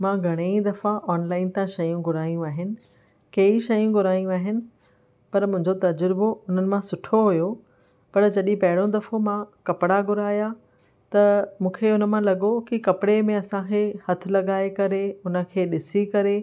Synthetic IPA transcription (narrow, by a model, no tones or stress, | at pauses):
mãːɡʱɐɽ̃eid̪ɐfãʔɔːnlaːɪnt̪ãʃɐjũɡʱʊɾaːijũaːɦɪnɪ̆ | kɐːiʃɐjũɡʱʊɾaːijũaːɦɪnɪ̆ | pɐɾmʊ̃ɦɪ̃ɲd͡ʑot̪ɐd͡ʑʊɾboʊn̤ənɪ̆mãsʊʈʰoɦujo | pɐɾd͡ʑɐɗĩpɐɦɪɽõd̪ɐfomãkɐpɪɽaɡʱʊɾaːja | t̪ɐmũːkʰeʊnə̆mãlɐɠokikɐpɪɽemẽɐsãkʰehɐt̪ʰɪ̆lɐɠaːekɐɾeʊnə̆kʰeːɗɪsikɐɾe